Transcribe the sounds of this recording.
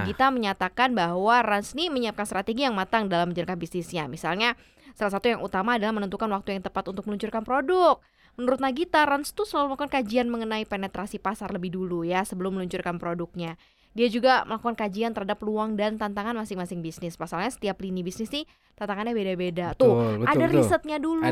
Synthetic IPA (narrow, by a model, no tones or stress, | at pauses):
kit̪aməɲat̪akanbaɦwaransniməɲiap̚kanst̪ɾat̪eɡijaŋmat̪aŋdalamːəɲd͡ʒʊɾkanbisnɪsɲamisalɲa | salas̬at̪ujaŋʔut̪amaːdalahmənənt̪ukanwak̚t̪ujaŋt̪əpat̪unt̪ʊk̚məluɲt͡ʃʊrkanpɾodʊk̚ | mənuɾʊt̪̚naɡit̪aɾanst̪usəlaluməlakukankad͡ʒianməŋənaipenet̪ɾasipasarləbɪhdulujasəbəlʊmːəluɲt͡ʃʊrkanpɾodʊk̚ɲa | diad͡ʒuɡamə̰lakukankad͡ʒiant̪əɾhadapluaŋdant̪ant̪aŋanmasɪŋmasɪŋbisnɪspasalɲasə̥t̪iaplinibisnɪsnɪ | t̪ant̪aŋanɲabedabedat̪ʊadaɾisət̪̚ɲadulu